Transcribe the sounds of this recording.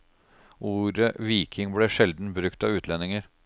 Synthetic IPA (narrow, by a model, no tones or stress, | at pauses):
ʔuːɾəʋiːkʰɪŋblɛːʂɛld̪n̩bɾʉkt̪ɑːʉːt̪ʰlɛnɪŋəɾ